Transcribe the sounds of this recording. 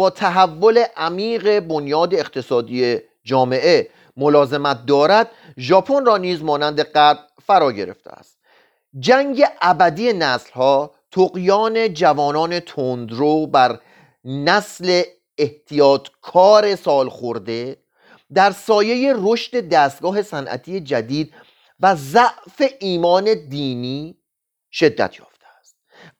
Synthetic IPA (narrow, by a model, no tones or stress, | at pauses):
bɒːt̪ʰæɦævːo̞le̞ʔæmiːɣe̞bonjɒːd̪e̞ːqt̪ʰe̞sɒːd̪ije̞ | d͡ʒɒːme̞ʔe̞ | mo̞lɒːze̞mæt̪̚d̪ɒːɾæd̪̥̚ | ʒɒːpʰo̞nrɒːniːzmɒːnænd̪e̞ɢæ | fæɾɒːɟe̞ɾe̞̰ft̪ʰḛæ̰st̪ | d͡ʒæŋɡe̞ʔæbæd̪ije̞næslhɒː | t̪ʰoɣjɒːne̞d͡ʒævɒːnɒːne̞t̪ʰond̪ɾobæɾ | næsle̞ː | ht̪ʰijɒːt̪ʰkʰɒːɾe̞sɒːlxoɾd̪e̞ | d̪æɾsɒːje̞je̞ro̞ʃt̪e̞d̪æːst̪̚ɡ̥ɒːɦe̞sænʔæ̰t̪ʰije̞d͡ʒæd̪iːd̪̚ | væzæʔfe̞ʔiːmɒːne̞d̪iːniː | ʃe̞d̪ːæ̰t̪ʰjɒ̰ːft̪ʰeæst̪̚